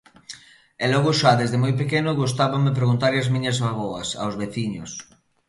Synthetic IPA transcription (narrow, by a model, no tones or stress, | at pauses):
elɔɣoʃaðezðemojpekenʊɣust̪aβamep̬ɾeɣunt̪aɾeazmĩɲɐzaɣoɐsa̰wzβeθiɲo̰s